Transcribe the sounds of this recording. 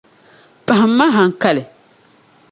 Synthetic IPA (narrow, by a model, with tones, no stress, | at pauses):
pa˨hɪ˨m̩ː˦a˦ɦa˨ŋ̩˨ka˦lɪ˨